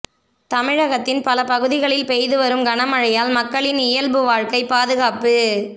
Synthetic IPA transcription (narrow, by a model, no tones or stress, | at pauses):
t̪ɐmɪɻɐɣɐt̪ːɪnpɐlɐpɐɣɯðɪɣɐɭɪlpɛjðɯʋɐɾɯmɡɐnɐmɐɻɐjaːlmɐkːɐɭɪnɪjɐlbɯʋaːɻkɐɪpːaːðɯɣaːpɯ